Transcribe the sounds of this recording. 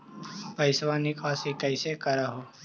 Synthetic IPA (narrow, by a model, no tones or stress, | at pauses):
pəjsʋanikasikəjsekəɾaɦo